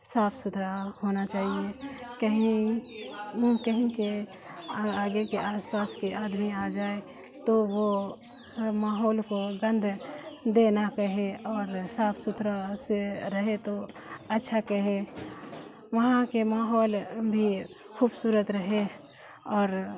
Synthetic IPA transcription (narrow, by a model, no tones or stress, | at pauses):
saːpʰsʊt̪ʰɾahoːnat͡ʃaːɦiekəɦĩ | kəɦĩke | aːɡekeʔaːspaːskiʔaːd̪miaːd͡ʒaːe | t̪oʋo | maːɦɔːlkoɡə̃nd̪ʱd̪eːnakəɦeɔːɾsaːpʰsʊt̪ʰɾaseɾəɦet̪o | ɐtːʃʰakəɦe | ʋɐɦãkemaːɦɔːlbʱi | xʰuːbsuːɾət̪ɾəɦe | ɔːɾ